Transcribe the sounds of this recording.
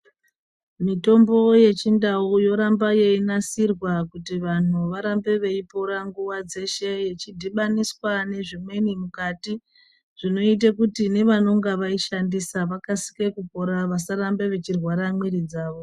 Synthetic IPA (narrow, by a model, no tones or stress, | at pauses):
mito̞mbo̞je̞t͡ʃindaujo̞ɾambaje̞inasirwakutiʋan̤uʋaɾambe̞ʋe̞ipo̞ɾaŋɡuwad͡ze̞ʃe̞je̞t͡ʃidʱiɓaniswane̞ʐimwe̞nimukati | ʐ̥ino̞it̬akutine̞ʋano̞ŋɡaʋaiʃandisaʋakasi̥kekupo̞ɾaʋasaɾambe̞ʋe̞t͡ʃirwaɾamweɾid͡zaːʋo